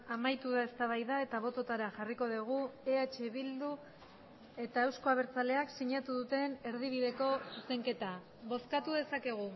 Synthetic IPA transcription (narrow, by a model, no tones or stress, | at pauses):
amajt̪uðae̞st̪aβajðae̞t̪aβ̞o̞t̪o̞t̪aɾaʝariko̞ðiɣ̞ueat͡ʃe̞βild̪u | e̞t̪ae̞wsko̞aβeɾt͡sale̞aksiɲat̪uðut̪e̞ne̞ɾðiβ̞iðe̞ko̞ise̞ŋke̞t̪a | βo̞skat̪uðe̞sake̞ɣ̞u